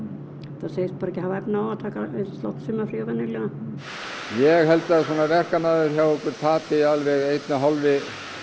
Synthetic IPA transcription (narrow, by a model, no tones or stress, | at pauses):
θaseːjst̪paɾɛcːɪhavaɛp̪naawat̪ʰaːkaesst̪lɔwht̪sʏmafɾiavanːɪlɛɣa | jɛɣɦɛlt̪aðsɔːnavɛr̥kanaðʏɾ̥çawɛkvɪɾ̥t̪ʰaːt̪ɪialvɛɣejt̪naɦalvɪ